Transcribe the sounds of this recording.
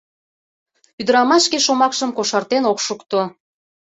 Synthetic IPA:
pyd̪əɾɑmɑʃkeʃomɑkʃəmkoʃɑrt̪enokʃukt̪o

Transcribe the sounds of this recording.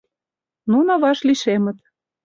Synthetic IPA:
nunŏβɑʃliʃemə̆t̪̚

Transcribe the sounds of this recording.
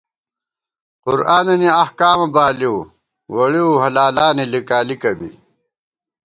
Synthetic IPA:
qʊɾaːnɐniɐhkaːmɐbaːliw | wɐɽiwɦɐlaːlaːnilikaːlikɐbḭ

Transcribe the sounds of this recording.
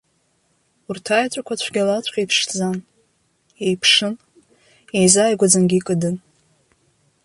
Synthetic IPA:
urtʰajt͡ɕʷʼakʷʰat͡ɕʷʰɡʲalat͡ɕʷʰʼqʲejpʰʂd͡zan | ejpʰʂɨn | ejzajɡʷad͡zanɡʲikʼɨdɨn

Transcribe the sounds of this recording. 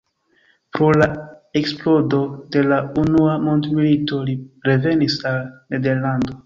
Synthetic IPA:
pɾo̞lae̞ksplo̞do̞de̞launuamo̞ndmilito̞liɾe̞ve̞nisalne̞de̞ɾlando̞

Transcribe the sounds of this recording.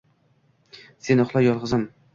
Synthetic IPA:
se̞nʊχlˠajɒlˠʁɨzam

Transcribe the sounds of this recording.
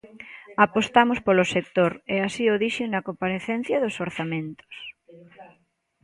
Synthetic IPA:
apost̪amʊspolosek̚t̪oɾɛasioðiʃenɐkompaɾeθɛn̟θjɐðosoɾθamẽnt̪o̥s

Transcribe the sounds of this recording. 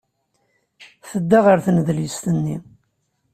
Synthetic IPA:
θəd̪ːaʁəɾθənðlist̪ənːi

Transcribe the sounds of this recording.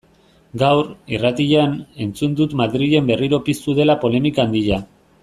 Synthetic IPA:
ɡawɾirat̪iʎane̞nt͡sund̪ut̪maðɾiʝe̞mbe̞riɾo̞pist̪uðe̞lapo̞le̞mikand̪iʎa

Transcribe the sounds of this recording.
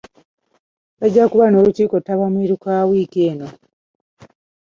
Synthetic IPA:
βaɟːakuβano̞ːluciːkotːaβamiɾukawikeːno̞

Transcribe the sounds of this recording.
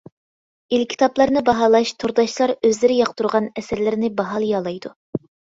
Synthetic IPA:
ilkʲʰi̥t̪ʰɑplˠɑɾnɨbɑɦɑːlˠɑʃt̪ʰuɾd̪ɑʃlˠɑɾøzlɪɾɪjɑqt̪ʰuɾʁɑnɛsɪɾlɪɾnɪbɑɦɑlˠjɑlˠɑjd̪u

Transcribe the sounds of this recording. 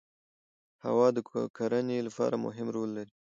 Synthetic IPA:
ha̰wɑd̪əkʰaɾənelapɑ̰ɾamʊ̰ɦɪmɾolːaɾi

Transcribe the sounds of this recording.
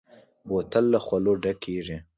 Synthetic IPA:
bot̪əlːaxwaloɖakːiʐi

